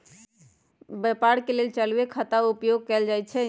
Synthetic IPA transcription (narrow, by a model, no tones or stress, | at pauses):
bepaɽkelelt͡ʃəlwekʰət̪aupjoɡ̚kɛld͡ʒajt͡ʃʰɛ